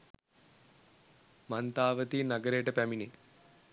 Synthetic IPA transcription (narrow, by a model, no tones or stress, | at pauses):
mant̪aːʋət̪iːnaɡəɾejəʈəpæmine